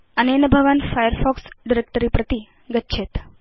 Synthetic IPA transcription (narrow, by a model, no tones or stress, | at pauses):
ənenəbʱəʋanfajəɾfɔksɖiɾek̚ʈəɾipɾət̪i | ɡətːɕʰet̪